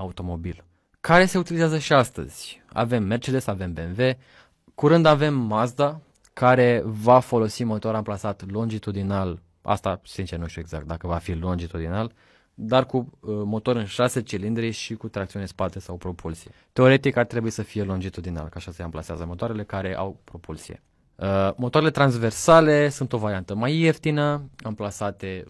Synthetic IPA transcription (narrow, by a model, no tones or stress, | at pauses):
aut̪o̞mo̞bil | kaɾe̞se̞ut̪ilizazəʃiast̪ə̰z̥ʲa̰ve̞mːe̞rt͡ʃed̪esave̞mbenve̞ | kuɾɨnd̪ave̞mːazd̪a | kaɾe̞vafo̞lo̞simo̞t̪o̞ɾamplasat̪lo̞nd͡ʒit̪ud̪inal | a̰st̪asint͡ʃenuʃt̪jue̞ɡza̰kt̪̚d̪akəvafilo̞nd͡ʒit̪ud̪inal | d̪arkumo̞t̪o̞ɾɨnʃaset͡ʃilind̪ɾiʃikut̪ɾakt̪siunespat̪esawpɾo̞pʰulsijet̪e̞o̞ɾe̞t̪ikart̪ɾebuisəfije̞lo̞nd͡ʒit̪ud̪ina̰lkaʃasəeamplasea̰zəmo̞t̪oaɾe̞le̞kaɾe̞ʔa̰wpɾo̞pulsie̞̰ | mot̪oaɾele̞t̪ɾanzve̞rsale̞sunt̪o̞vaɾiant̪əmajeft̪inəamplasat̪e̞